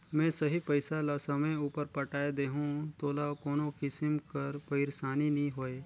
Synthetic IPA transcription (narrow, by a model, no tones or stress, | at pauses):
mɛ̃ːsɐɦipɐɪsalasɐmẽuːpəɾpɐʈaːed̪eːɦũt̪oːlakoːnõkɪsɪmkɐɾpɐɪɾsaːninɐĩɦoːeː